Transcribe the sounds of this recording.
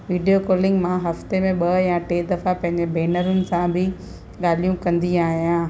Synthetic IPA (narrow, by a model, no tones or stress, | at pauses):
ʋiːɖijokɔːlɪ̃ŋɡmãɦɐft̪emẽɓɐjãʈeːd̪ɐfapɐ̃ɦɪ̃ɲd͡ʑebeːnəɾʊnɪ̆sãbʱɪ | ɠaːlijũkɐ̃nd̪iaːɦijãː